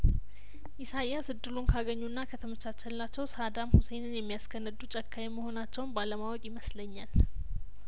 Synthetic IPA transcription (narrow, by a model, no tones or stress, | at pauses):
ʔɪsajjasɨd̪ɨlunkʰaɡəɲːunːakʰət̪ʰəmət͡ʃːat͡ʃːɛlːat͡ʃːɛwsad̪amhusejnɨnjɛmːijaskʰənːəd̪ut͡ʃʼɛkʰːajɛməho̞nat͡ʃːɛwnbaləmawɔkʼjɪməsləɲːal